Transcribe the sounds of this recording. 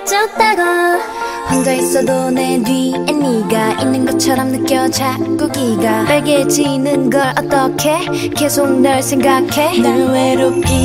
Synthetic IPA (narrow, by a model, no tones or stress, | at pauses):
t͡ɕʌk̚t̪͈aɡa | ɸwaŋd͡ʑais͈ʌdonedwienːiɡaʔinːɯnɡʌt͡ɕʰʌɾʌmnɯk͈jʌd͡ʑak͈uɡiɡapaɭɡed͡ʑinɯnɡʌɭʌt̪͈ʌkʰe̞ | kesʰoŋ̚nɯɭsʰeŋɡakʰe̞nɯweɾop̚k͈i